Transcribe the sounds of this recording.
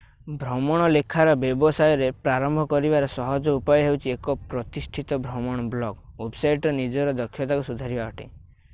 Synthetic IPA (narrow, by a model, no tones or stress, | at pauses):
bʱɾɔmɔɽ̃ɔlekʰaɾɔbjebɔsajɔɾepɾaɾɔmbʱɔkɔɾibaɾɔsɔɦɔd͡ʒɔupajɔɦewt͡ʃʰiekɔpɾɔt̪isʈʰit̪ɔbʱɾɔmɔɽ̃ɔblɔɡwebsajʈnid͡ʒɔɾɔd̪ɔkʰːjɔt̪akusud̪ʱaɾibaɦɔʈḭ